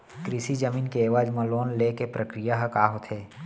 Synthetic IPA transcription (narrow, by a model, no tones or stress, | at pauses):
kɾɪsid͡ʒəmiːnkeeːʋaːd͡ʒmɐ̃loːnlekepɾəkɾijaɦəkaːɦot̪ʰeː